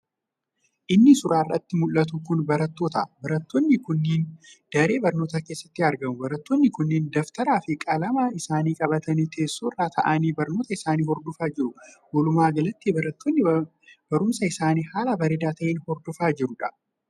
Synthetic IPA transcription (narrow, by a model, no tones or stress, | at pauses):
ʔɪnːɪsʊɾaːrːɐ̰t̪ːɪmʊlːɐt̪̬ʊkʊnbɐɾɐt̪ːo̞ːt̪ɐbɐɾɐt̪ːonːɪkʊnːiːnd̪̥ɐɾe̞ːbɐɾnoːt̪akeːsːɐ̥t̪ːɪɐɾɡɐmʊbɐɾɐt̪ːonːɪkʊnːɪnd̪ɐft̪ɐɾaːfɪkʼɐlɐmaːɪsaːniːkʼɐbɐt̪ɐnit̪ʰeːsːoːrːaːt̪ʰɐ̰ʔɐniːbɐɾno̞ːt̪ɐɪsaːniːhɔɾd̪ɔfaːd͡ʒɪɾʊ | wɔlʊmaːɡɐlɐt̪ːiɐɐt̪ːonːɪ | bɐɾʊmsɐɪsaːniːhaːlɐbɐɾɪd̪aːt̪ɐʔeːnhɔɾd̪ɔfaːd͡ʒɪɾʊᶑɐ̥